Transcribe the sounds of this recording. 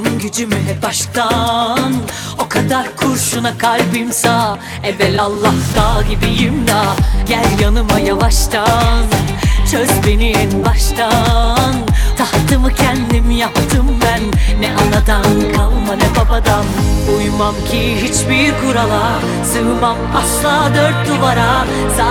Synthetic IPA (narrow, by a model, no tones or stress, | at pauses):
mɟyd͡ʒymɛbaʃt̪ʰan | okʰad̪aɾkʰuɾʃunakʰalʲbɯmsa | ɛbɛlʲalˠːahd̪aɟibijimd̪aɟælʲjanɯmajavaʃt̪ʰant͡ʃʰøzbeninbaʃt̪ʰant̪ʰaht̪ʰɯmɯcʰɛnd̪imijap̚t̪ʰɯmbænːɛʔanad̪ankʰalˠmad̪ɛbabad̪anujmamcʰiɦit͡ʃbiɾɡuɾalˠa | sɯːmamaslˠaːd̪øɾt̪̚d̪uvaɾa | sa